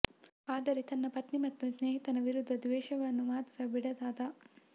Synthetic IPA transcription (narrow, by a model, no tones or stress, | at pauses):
aːd̪ɐɾit̪ɐnːɐpɐt̪nimɐt̪ːusneːɦit̪ɐnɐʋiɾud̪ʱːɐd̪ʋɛːʃɐʋɐnːumaːt̪ɾɐbiɽɐd̪aːd̪ɐ